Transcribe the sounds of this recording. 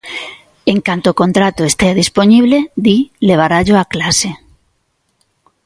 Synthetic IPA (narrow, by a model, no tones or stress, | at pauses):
eŋkant̪oːkont̪ɾat̪oest̪eaðisponiβ̞led̪ileβ̞aɾaʎoaklase